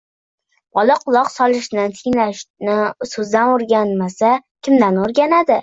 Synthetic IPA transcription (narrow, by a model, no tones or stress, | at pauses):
bɒlɑqʰʊlˠɒqsɒlˠɪʃnant̪ʰɪŋlaʃnɪsɵzd̪anoɾɡʲanmasakʲʰɪmd̪anoɾɡʲanad̪ɪ